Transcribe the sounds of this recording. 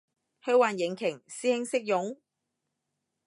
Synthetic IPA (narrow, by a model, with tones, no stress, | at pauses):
hɵ˧waː˨njɪ˨˩ŋkʰɪ˨˩ŋsiː˥hɪ˥ŋsɪ˥k̚jʊ˨˥ŋ